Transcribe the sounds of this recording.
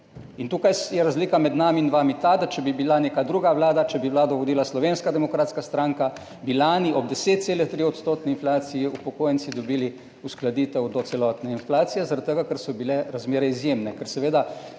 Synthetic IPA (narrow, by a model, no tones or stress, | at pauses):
int̪uːkajjɛɾazliːkamɛd̪naːmiːnʋaːmit̪ad̪at͡ʃɛbibilaneːkad̪ɾuːɡaʋlaːd̪at͡ʃɛbiʋlaːd̪ɔʋɔd̪iːlaslɔʋeːnskad̪ɛmɔkɾaːt̪skast̪ɾaŋka | bilaniʔɔb̚d̪ɛseːt̪t̪seːlɛt̪ɾiɔt̪st̪oːt̪nɛinflaːt̪sijiupɔkoːjənt̪sid̪ɔbiːli | usklad̪iːt̪ɛwd̪ɔt̪sɛlɔːt̪nɛinflaːt̪sijɛzaɾat̪t̪ːəɡakəɾsɔbilɛɾazmeːɾɛizjeːmnɛkəɾsɛʋeːd̪a